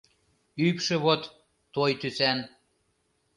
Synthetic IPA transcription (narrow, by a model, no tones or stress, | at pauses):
ypʃĕβot̪ː | ojt̪ysæn